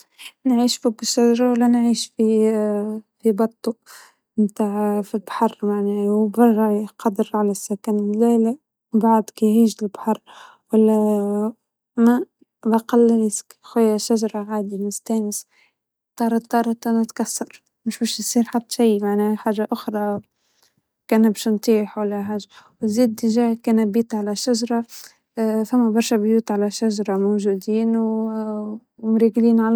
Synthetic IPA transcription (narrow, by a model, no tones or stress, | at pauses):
nʕiːʃfʊbɪʃːaʒɑɾˤɑwalːænʕiːʃfi | fibɑt̪ˤːu | mt̪aːʕfilbħɑrˤːmaʕnæːwbɑrˤːɑʕqɑd̪əɾʕalæsːækanmlælæ | baʕd̪kijhiːʒɪlbħɑrˤ | walːæ | mæ | bɑqɑlːlɪskxæjːæʃːaʒɑɾˤɑɣaːd̪imɪst̪æːnɪs | t̪ˤːɑːɾˤɑt̪ˤːɑːɾˤt̪ænat̪kasːɑɾˤ | mʊʃbæʃjsˤiːɾħad̪ːʃijmaʕnæħaːʒaʔʊxɾˤɑ | kæːnbʃnt̪ˤiːħwalːæħaːʒawɪziːd̪ɪʒæːkæːnæbiːt̪ʕalæʃaʒɑɾˤɑ | fæmːæbɑɾˤʃæbjuːt̪ʕalæʃaʒɑɾˤɑmowʒuːd̪iːnw | mɾiːɡliːnʕal